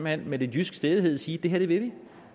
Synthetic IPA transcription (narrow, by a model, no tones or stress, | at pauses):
mæn̰med̥enjysɡ̥sd̥eðˠɦeð̞̰ˠsiːd̥e̝ɦæɐd̥e̝ʋe̝ʋi